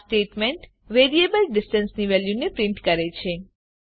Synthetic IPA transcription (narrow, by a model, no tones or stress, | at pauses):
sʈeʈmeɳʈ | ʋeɾiebəlɖɪsʈənsniʋɛljunepɾɪɳʈkəɾet͡ʃʰe